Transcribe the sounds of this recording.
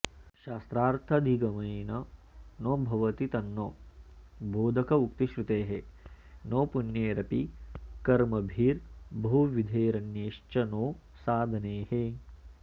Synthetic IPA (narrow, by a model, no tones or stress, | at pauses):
ʃaːst̪ɾaːɾt̪ʰɐd̪ʱiɡɐmɐjnɐnoːbʱɐʋɐt̪it̪ɐnːoː | boːd̪ʱɐkɐukt̪iʃɾut̪eːɦe | noːpunjeːɾɐpikɐɾmɐbʱiːɾbʱuʋid̪ʱeːɾɐnjeːʂt͡ʃɐnoː | saːd̪ʱɐneːhe